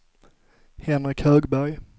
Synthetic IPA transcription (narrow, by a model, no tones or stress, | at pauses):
hɛnɾɪkʰhœːɡbæɾj